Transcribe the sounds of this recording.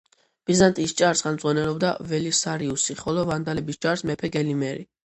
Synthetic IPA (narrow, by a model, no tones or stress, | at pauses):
b̥izant̪ʼist͡ʃʼaɾsχɛlmd̪zʁwanɛlɔbd̪avɛlisaɾiusiχɔlɔvand̪alɛbist͡ʃʼaɾsmɛpʰɛɡɛlimɛɾi